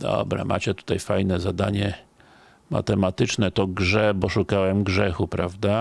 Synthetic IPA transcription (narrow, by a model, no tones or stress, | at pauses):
d̪ɔ̰bɾa̰mʔa̰t͡ɕɛt̪u̥t̪ajfajnɛzad̪aɲɛ | ma̰t̪ɛmat̪ɘt͡ʂnɛt̪ɔɡʐɛbɔʂukawɛmɡʐɛxupɾavd̪a